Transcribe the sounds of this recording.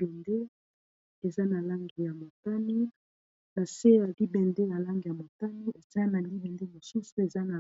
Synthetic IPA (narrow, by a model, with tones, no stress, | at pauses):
bɛ˨nde˦ | e˨za˦na˨la˦ŋɡi˨ja˨mo˨ta˦ni˦ | na˨se˦ja˨li˦bɛ˨nde˦ja˨la˦ŋɡi˨ja˨mo˨ta˦ni˦ʔe˨za˦na˨li˦bɛ˨nde˦mo˨su˦su˦e˨za˦na˨